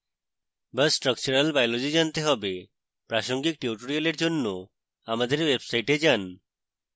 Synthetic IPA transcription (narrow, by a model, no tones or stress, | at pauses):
bəsʈɾək̚t͡ɕuɾalbajlod͡ʑid͡ʑant̪eɦɔbe | pɾaʃoŋɡik̚ʈiuʈoɾioleɾd͡ʑonːo | amad̪eɾwebsajʈed͡ʑan